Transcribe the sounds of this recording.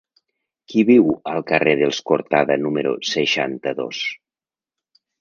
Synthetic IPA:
kiβiwəlˠkəreð̞elˠskoɾt̪aðənuməɾṵsəʃant̪əðo̰s

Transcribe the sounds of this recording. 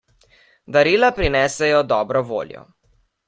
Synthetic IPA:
d̪aɾiːlapɾinɛːsɛjɔd̪ɔːbɾɔʋo̰ːljɔ̰

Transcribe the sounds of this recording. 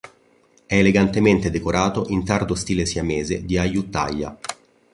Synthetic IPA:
ɛːleɡant̪ement̪ed̪ekoɾʔaːt̪oʔint̪ard̪ost̪iːlesiameːzed̪iajut̪ːa̰jːa̰

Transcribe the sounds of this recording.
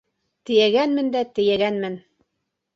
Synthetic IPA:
t̪ɘ̆jæɡænmɘnd̪æt̪ɘ̆jæɡænmɘn

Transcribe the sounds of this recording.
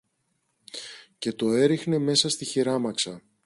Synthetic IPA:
ce̞t̪o̞e̞ɾixne̞me̞sɐst̪içiɾɐmɐksɐ

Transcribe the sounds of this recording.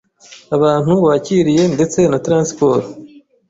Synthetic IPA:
aβaːn̥huβaːciɾije̞nde̞t͡se̞natɾaːnspo̞ːɾo

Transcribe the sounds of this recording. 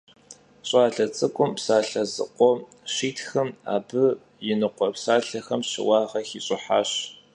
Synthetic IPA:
ɕʼaːɮɐt͡sʼɨkʷʼʊmpsaːɬɐzɨ̰qʷɔ | ɕiːtʰxɐma̰ːbɨ | jɪnɨqʷɔpsaːɬɐxɐmɕɪ̰wɑːʁɐxiːɕʼɪħa̰ːɕ

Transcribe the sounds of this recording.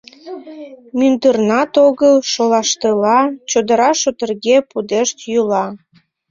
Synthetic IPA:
mynd̪ərnɑt̪oɣəlʃolɑʃt̪əlɑt͡ɕod̪əɾɑʃot̪ərɣepud̪eʃt̪julɑ

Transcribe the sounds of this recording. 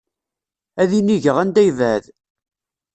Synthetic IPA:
æðiniʝəʁænd̪æjvæð

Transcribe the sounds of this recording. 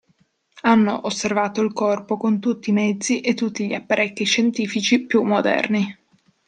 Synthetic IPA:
anːo̰ʔosːervaːt̪oilkɔrpokont̪ut̪ːiːmɛd̪zːiʔet̪ːut̪ːiʎiapːaɾʔɛkːiʃent̪iːfit͡ʃipjumːod̪ɛ̰rni

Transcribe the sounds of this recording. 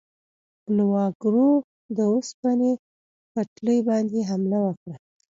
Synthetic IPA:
lwɑɡɾo | d̪əospane | pəʈləjbɑnd̪eɦamlawəkɽa

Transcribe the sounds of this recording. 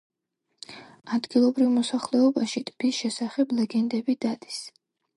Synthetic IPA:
ad̪ɡilˠɔbɾivmɔsaχlɛɔbaʃit̪ʼbisʃɛsaχɛblɛɡɛnd̪ɛbid̪̥ad̪i̥s

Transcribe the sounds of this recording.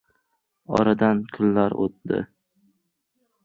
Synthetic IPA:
ɒ̰ɾad̪ankʰʊlːaɾo̰t̪̚d̪ɪ̰

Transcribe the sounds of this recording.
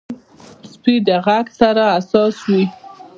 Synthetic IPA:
spid̪əɣaɡsaɾaːsɑswi

